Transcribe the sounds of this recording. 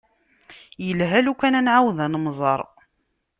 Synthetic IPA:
jəlɦælukːænænʕawðænmzˤəɾˤ

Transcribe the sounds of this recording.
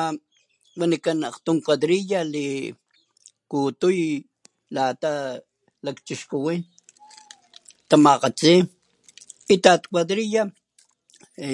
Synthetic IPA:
a | wanikanaqt̪umkwaðɾijali | kut̪uj | lat̪a | lakt͡ʃiʃkuwin | t̪amaqat͡si | it̪at̪kwaðɾija

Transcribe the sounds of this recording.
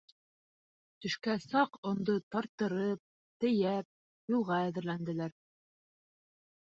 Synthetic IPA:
t̪ɵ̆ʃkæsɑqŏnd̪ɤt̪ɑɾt̪ːɤ̆ɾɤp̚ | t̪ɘ̆jæp̚ | julˠʁɑæðɘ̆ɾlænd̪ɘ̆læɾ

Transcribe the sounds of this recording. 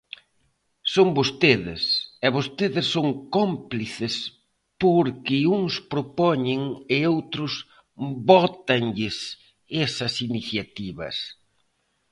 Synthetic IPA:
soŋbost̪eðɪ̰sɛβost̪eðɪsːoŋkompliθɪs | poɾkɪuŋspɾopɔɲɪŋɪowt̪ɾʊs | bɔt̪ɐŋʎɪs | esɐsiniθjat̪iβɐ̰s

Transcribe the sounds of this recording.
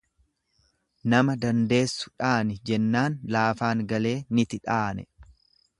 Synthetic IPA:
nɐmɐd̪ɐnd̪e̞ːsːʊ̥ᶑaːnɪd͡ʒɛnːaːnlaːfaːŋɡɐle̞ːnɪt̪ɪᶑaːnɛ̰

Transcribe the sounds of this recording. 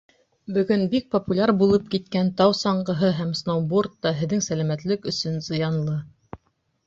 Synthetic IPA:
bɵ̆ɡɵnbik̚pŏpulʲaɾbulˠɤp̚kit̪kænt̪ɑwsɑɴɢɤ̆ɦɤɦæmsnowbort̪ːɑɦɘ̆ðːɘŋsælæmæt̪lɘkɵ̆sɵnzɤ̆jɑnlˠɤ

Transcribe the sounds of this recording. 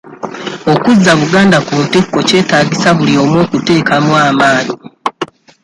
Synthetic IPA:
o̞kuzːaβuɡaːndakutikːoce̞ːtaːɟisaβulio̞ːmwo̞ːkute̞ːkamwaːmaːɲi

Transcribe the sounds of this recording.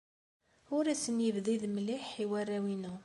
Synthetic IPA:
ʊɾæsənjəvðiðmliħːiwærːæwinu

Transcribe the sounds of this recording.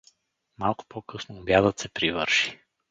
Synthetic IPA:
malˠkʊ̥pɔkɤsnoːbjad̪ət̪sɛpɾivəɾʃi̥

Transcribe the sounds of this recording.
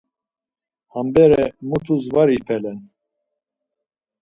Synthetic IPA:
hambɛɾɛmut̪ʰuzvaɾipʰɛlɛn

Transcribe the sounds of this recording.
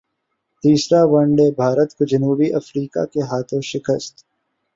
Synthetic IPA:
t̪iːsɾaʋɐ̃ɳɖebʱaːɾət̪kod͡ʒɐnuːbiʔɐfɾiːka̰keɦaːt̪ʰõʃɪkəst̪

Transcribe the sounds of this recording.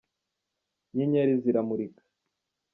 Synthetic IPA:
ɲeɲaɾiziɾamuɾikḁ

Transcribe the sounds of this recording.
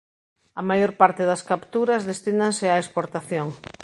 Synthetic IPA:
ɐmajoɾpaɾt̪eðɐskapt̪uɾɐzðest̪inaŋsɪaespoɾt̪aθjoŋ

